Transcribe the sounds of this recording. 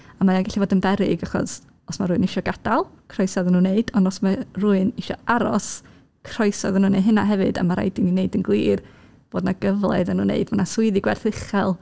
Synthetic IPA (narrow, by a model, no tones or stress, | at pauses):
amajanɡaɬivoːdənbɛɾɪɡaχɔ̰s | ɔsmaruɨnɪʃɔɡad̥alˠkʰrɔɨsɔðənuːnːeɨdɔndɔsmaruɨnɪʃɔaɾɔs | kʰrɔjsɔðnuːneɨɦɨnaɦɛvɨda̰maɾa̰jdɪnineɨdənɡlˠiːr | b̥oːdnaɡəvlˠɛ̰ðanuːnːḛɨdmanasʊɨðiɡwɛrθɪχɛlˠ